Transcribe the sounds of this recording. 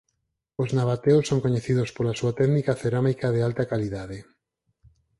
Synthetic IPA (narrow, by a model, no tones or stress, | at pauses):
oznaβat̪eʊsːoŋkoɲeθiðospolasuat̪ɛɣnikaθeɾamikaðealt̪ɐkaliðaðe